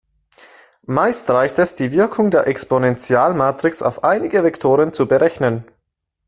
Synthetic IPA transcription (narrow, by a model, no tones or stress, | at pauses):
maɪstʁ̥aɪçtɛsd̥iːvɪɐkʰʊŋdeːɐʔɛksponɛnt͡sjaːlmaːtʁ̥ɪksa̰ʊfʔaɪnɪɡəvɛktʰoːʁənt͡subəʁɛçnən